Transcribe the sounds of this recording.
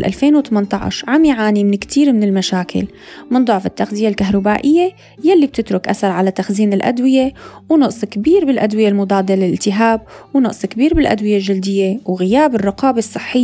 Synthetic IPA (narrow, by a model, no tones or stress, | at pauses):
lʔa̰lfeːnwt̪amant̪ˤɑʕ̰ʃʕamjʕaːnimɪnɪkt̪ʰiːɾmɪnɪlmaʃaːkʰɪ̰l | mɪnd̪ˤʊʕfɪt̪ːaxzɪjalkaɦɾˤɑbaːʔɪjːe | jalːib̚t̪ɪt̪ɾʊkʔa̰θɑɾˤʕalat̪axziːnɪlʔa̰d̪wɪjewnʊʔsˤkbiːɾbɪlʔad̪wɪjelmʊd̪ˤɑːd̪elɪlʔɪlt̪ɪɦaːb̚wnʊʔsˤkbiːɾbɪlʔa̰d̪wɪjelʒɪld̪ɪjːewɣɪjaːbɪrˤːɑqɑːbasˤːɨħːɪjː